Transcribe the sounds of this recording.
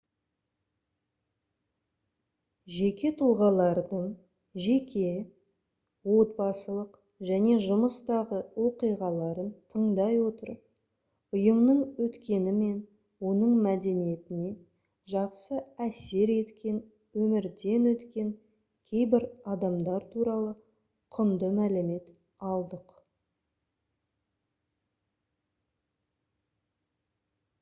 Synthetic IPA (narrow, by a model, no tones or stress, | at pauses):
ʒe̞kʲe̞t̪ʰʊlˠʁɑlˠɑɾd̪əɴ | ʒe̞kʲe̞ | wo̞t̪̚bɑsəlˠəq | ʒæne̞ʒʊməst̪ɑʁəwo̞qijʁɑlˠɑɾənt̪ʰəɴd̪ɑjwo̞t̪əɾ | ʊjəmnəɴwɵt̪kʲe̞nɪme̞n | wo̞nəɴmæd̪e̞nije̞t̪ɪne̞ | ʒɑqsəæse̞ɾe̞t̪kʲe̞n | wɵmɪɾd̪e̞nwɵt̪kʲe̞ŋ | kʲʰe̞jbɪɾɑd̪ɑmd̪ɑɾt̪ʰuɾɑlˠə | qʰʊnd̪əmælɪme̞t̪ | ɑlˠd̪əq